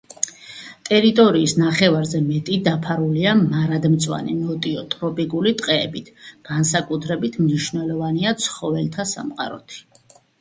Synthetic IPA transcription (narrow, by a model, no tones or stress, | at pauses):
t̪ʼɛɾit̪ʼɔɾiːsnaχɛvaɾzɛmɛt̪ʼid̪apʰaɾuliamaɾad̪mt̪sʼwa̰nḭnɔt̪ʼiɔt̪ʼɾɔpʼikʼulit̪ʼqʼɛːbit̪ʰɡ̥ansakʼut̪ʰɾɛbit̪ʰmniʃvnɛlɔvaniat̪sʰχɔvɛlt̪ʰasa̰mqʼa̰ɾɔ̰t̪ʰi̥